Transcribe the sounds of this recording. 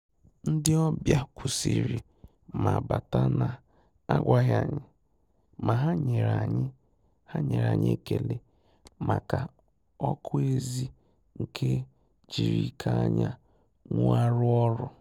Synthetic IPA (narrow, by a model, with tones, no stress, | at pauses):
n̩˦dɪ˦ɔ˦bja˦kʰʷʊ˨si˨ɾi˨ | ma˨ba˨ta˦na˨ | a˦ɡʷa˦ɦja˨ɲɪ˦ | ma˨ɦa˦ɲe˨ɾa˨ɲɪ˦ | ha˦ɲe˨ɾa˨ɲḛ˦ke˨le˦ | ma˨ka˨ | ɔ˦kʰʊ˦e˦zi˦ | ŋ̩˨kʰe˦ | d͡ʒi˨ɾi˦kʰa˦a˦ɲa˦ | ŋʊ˦a˦ɾʊ˦ɔ˦ɾʊ˦